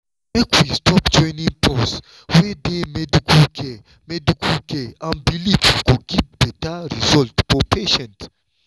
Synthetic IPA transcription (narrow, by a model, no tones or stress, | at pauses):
mɛkwistʰɔpd͡ʒɔ̃jnĩŋpɔs | wɛdemɛdikulkɛ | mɛdikʰulkɛãnbilivkuɡivbɛtaɹizɔltfɔpʰeʃɛ̃nt